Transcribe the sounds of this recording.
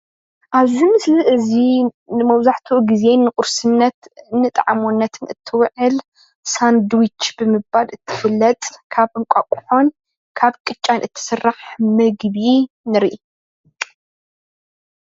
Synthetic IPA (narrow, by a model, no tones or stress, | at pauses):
ʔaβzimɨsliʔɨzi | nɨmɐβzaħt̪ʰuɡize̞nːɨkʼʊɾsɨnːɐt̪nːɨt̪ʼʕamunːɐt̪ʰɨnɨt̪ʰːɨwʕɨl | sand̪wit͡ʃːb̥ɨmɨbbalɨt̪ʰːɨ̥fɨlːɐt̪ʼkʰaβʔɨŋkʷʼakʼʊ̥ħo̞n | kʰaβkʼɨt͡ʃʼːanʔɨt̪ʰːɨ̥sɨrːaħmɨɡβi | nɨɾʔi